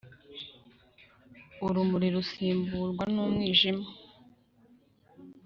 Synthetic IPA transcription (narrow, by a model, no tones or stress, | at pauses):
uɾumuɾiɾusiːmbuɾɡwanuːmŋiːʒima